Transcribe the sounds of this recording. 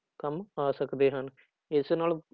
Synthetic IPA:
kəmaːsəkd̪eːɦən | ɪsnaːl

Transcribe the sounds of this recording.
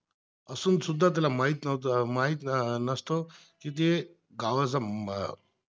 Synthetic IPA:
əsuːnsud̪ʱːat̪̬jalamaɦit̪nmaɦit̪nəst̪o | kit̪̬e | ɡaʋəd͡zam

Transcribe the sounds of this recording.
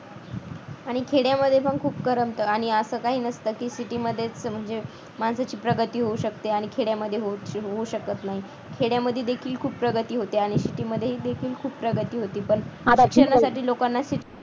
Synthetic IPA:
aɽ̃ikʰeɽjaməd̪ʱjefəɡkʰuːpkəɾəmt̪əːaɽ̃iəsəːkaɦiːnəst̪əːkiːsiʈiːməd̪ʱːjet͡sm̤əɳd͡ze | mansat͡ɕiːpɾəɡət̪iːɦouɕək̚t̪eaɽ̃ikʰeɽjaməd̪ʱːjeɦoɦouɕəkət̪naɦi | kʰeɽjaməd̪ʱːjed̪ekʰiːlkʰuːppɾəɡət̪iːɦot̪eaɽ̃isiʈiːməd̪ʱːjeɦiːd̪ekʰiːlkʰuːppɾəɡət̪iːɦot̪iːpəɳd̪əkʂəɾnasaʈiːlokanːasiʈi

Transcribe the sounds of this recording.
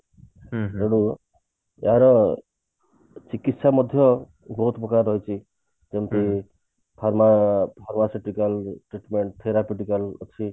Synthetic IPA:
eɽ̃u | eaɾɔ | t͡ʃikit̪samɔd̪ʱjʌ | bɔɦut̪pɔkaɾːɔɦjt͡ʃʰi | d͡ʒemt̪i | pʰaɾmapʰaɾmasiʈikalʈɾiʈmeɳʈ̚t̪ʰeɾapuʈikalot͡sʰi

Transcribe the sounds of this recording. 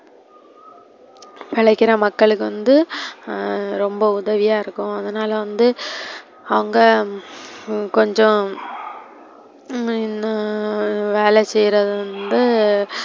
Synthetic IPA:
pɪɭɐɪkːɪɾɐmɐkːɐɭɯkːɯʋɐnd̪ɯ | ɾɔmbɐʊðɐʋɪjaːɪɾɯkːʊ̃ɐðɐnaːlɐʋɐnd̪ɯ | ɐʋɐŋɡɐ | kɔɲd͡ʒɔ̃ | ɪnɐ | ʋeːlɛsɛjɾɐðɯʋɐnd̪ɯ

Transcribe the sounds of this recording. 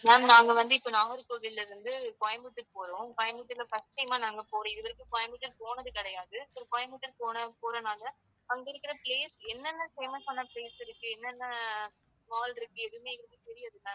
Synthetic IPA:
naːmnaːŋɡɐʋɐnd̪ɯɪpːonaːɦɐɾɯkoːɣɪlːɐɾɯnd̪ɯkɔjɐmbɯʈ̪ːɯɾpoːɾõkɔjɐmbɯʈ̪ːɯlɐfɐsʈɐjɐmaːnaːŋɡɐpoːɾõɪðɯʋɐɾɯkːɯkɔjɐmbɯʈːɐɾpoːnɐðɯkɪɽɐjaːðɯsɔɾkɔjɐmbɯʈːɐɾpoːnɐpoːɾɐnaːlɐ | ɐŋɡɪɾɯkːɪɾɐpleːsɛnːɛnːɐfeːmɐsɐnːɐpleːsɪɾɯkːɯɛnːɛnːɐ | maːlɪɾɯkːɯɛðɯmeːɡɪɾɯk̪ːɯt̪ɛɾɪjɐðɯnːɐ

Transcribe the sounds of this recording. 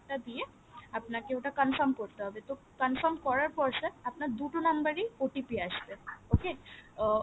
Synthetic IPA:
ʈad̪ije | apnakeoʈakənfəɾmkɔɾt̪aɦɔbet̪o | kɐnfəɾmkɔɾaɾpɔɾseapnad̪uʈonɐmbəɾioʈipiaʃt̪eoke

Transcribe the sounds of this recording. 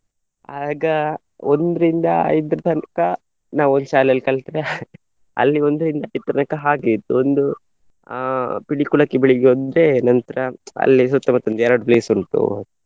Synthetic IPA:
aːɡɐ | ond̪ɾind̪ɐɐ̰jd̪ɾɐd̪ɐnkɐ | naːʋond̪ʃaːlɐlikɐɭt̪ɾe | ɐ̰lːiond̪ɾind̪ɐɐjd̪̚t̪ɾɐnɐkɐɦaːɡit̪ːuond̪u | piɽikuɭɐkːibiɭiɡɦoːd̪ɾenɐnt̪ɐɾɐɐ̰lːis̬ut̪ːɐmɐt̪ːɐnd̪jɛːɾɐɖbleːsuɳt̪ṵ

